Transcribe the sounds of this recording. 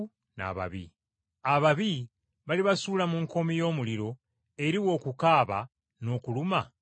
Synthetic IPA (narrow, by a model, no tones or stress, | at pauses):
na̰βa̰βḭ | aβaβi | βaliβasuːlamuŋko̞mijo̞ːmuliɾo̞ | e̞ɾiwo̞ːkukaːβa | no̞ːkuluma